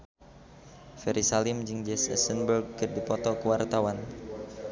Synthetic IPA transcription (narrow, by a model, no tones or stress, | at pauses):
fɛɾisalimd͡ʒiŋd͡ʒɛsɛ̰sənbərɡ̚kərdipɔt̪ɔkəwart̪awan